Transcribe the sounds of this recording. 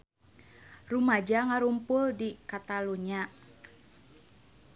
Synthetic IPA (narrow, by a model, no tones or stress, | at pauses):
rumad͡ʒaŋaɾumpʊldikat̪aluɲa